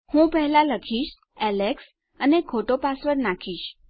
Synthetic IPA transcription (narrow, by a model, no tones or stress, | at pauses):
hũpəɦɛlaləkʰiʃ | ɛleks | ənekʰoʈopasʋəɾnakʰiʃ